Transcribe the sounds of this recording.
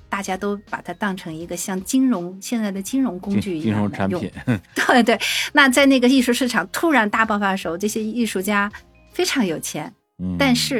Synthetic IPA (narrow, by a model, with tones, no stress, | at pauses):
t̪a˥˩t͡ɕja˥t̪o˥ʊpa˨˩t̪ʰa˥t̪ɑ˥˩ŋʈ͡ʂʰɤ˧˥ŋi˧˥ɡə˧ɕjɑ˥˩ŋt͡ɕi˥nɻʊ˧˥ŋɕjɛ˥˧nt͡sa˥˩ɪd̪ə˩t͡ɕi˥ŋɻʊ˧˥ŋkʊ˥t͡ɕy˥˩˨ɻʊ˧˥ŋʰa˧˥njʊ˥˧ḭ˨˩˦nt̪we˥˩ɪt̪we˥˩ɪna˥˧t͡sa˥˧ɪna˥˩ɡə˩i˥˧ʂu˥˧ʂɻ̩˥˩ʈ͡ʂʰɑ˨˩ŋt̪ʰu˥ɻa˧˥nt̪a˥˧pɑ˥˩ʊfa˧˥ʂ̩˧˨˥ʈ͡ʂɤ˥˩ɕjɛ˥i˥˧ʂu˥˩t͡ɕja˥ | fe˥ɪʈ͡ʂʰɑ˧˥ŋjo˨˩ʊt͡ɕʰjɛ˧˥n | t̪a˥˧nʂɻ̩˥˩